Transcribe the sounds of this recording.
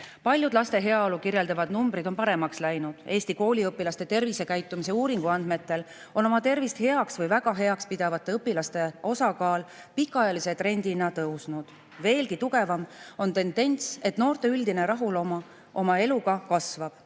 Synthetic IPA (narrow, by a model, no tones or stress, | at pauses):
pɑlʲjud̪lɑst̪e̞ɦe̞ɑolukirje̞ld̪ɑvɑd̪̥numbɾid̪o̞npɑɾe̞mɑkslæjnud̪̥e̞ːst̪iko̞ːlʲiɤpːˑilɑst̪e̞t̪e̞rvise̞kæjt̪ːˑumis̬e̞uːɾiŋɡ̥uɑnd̪̥me̞t̪ːe̞l | o̞no̞mɑt̪e̞rvist̪he̞ɑksvɤjvæɡ̥ɑɦe̞ɑkspid̪̥ɑvɑt̪ˑːeɤpːilɑst̪e̞o̞sɑkɑːl | pikːɑjɑliset̪ɾe̞nʲd̪̥inɑt̪ɤwsnud̪̥ | ve̞ːlkit̪uɡ̥e̞vɑmo̞nt̪e̞nd̪̥e̞nʲt̪se̞t̪no̞ːrt̪e̞yld̪ine̞ɾɑɦulomɑ | ʔo̞mɑe̞luɡɑkɑsvɑb̥